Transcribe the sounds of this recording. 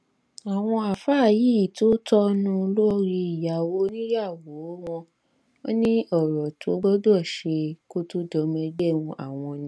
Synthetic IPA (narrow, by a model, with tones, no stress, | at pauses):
a˨w̃ɔ̃˧a˨fa˦˨ji˦i˨to˦tɔ˦nũ˦˧lo˦ɾi˧i˨ja˨wo˨˦nĩ˦ja˦˨wo˨˦w̃ɔ̃˧ | o˦nĩ˦ɔ˦˨ɾɔ˨tʰo˨˦ɡ͡bɔ˦do˦ɔ˦˨ʃe˧ko˦to˦dɔ˧mɛ̃˧de˦˨wũ˧a̰˨w̃ɔ̃˧nĩ˦